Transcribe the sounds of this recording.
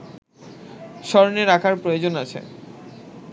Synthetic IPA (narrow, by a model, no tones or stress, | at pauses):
ʃɔɾoneɾakʰaɾpɾojod͡ʑonat͡ɕʰḛ